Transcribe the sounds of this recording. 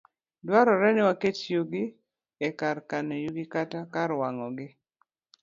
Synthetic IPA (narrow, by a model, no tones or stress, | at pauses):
dwaɾɔɾɛnɪwaketjuɡɪ | ɛkarkanɔjuɡɪkatakaɾwaŋɔɡɪ